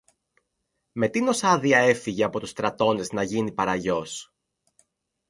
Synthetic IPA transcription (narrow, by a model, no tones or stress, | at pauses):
me̞t̪ino̞sɐðiɐe̞fiʝe̞ɐpo̞t̪ust̪ɾɐt̪o̞ne̞znɐʝinipɐɾɐʝo̞s